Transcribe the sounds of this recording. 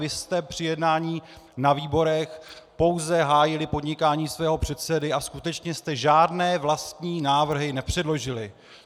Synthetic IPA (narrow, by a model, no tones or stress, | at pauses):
vɪst̪ɛpr̝̥ɪjɛdnaːɲiː | naviːbo̞ɾɛxpo̞wzɛɦaːjɪlɪpo̞dɲɪkaːɲiːsvɛːɦo̞pr̝̥ɛt̪̚sɛdɪʔaskut̪ɛt͡ʃɲɛst̪ɛʒaːdnɛːvlast̪ɲiːnaːvr̩ɦɪnɛpr̥ɛdlo̞ʒɪlɪ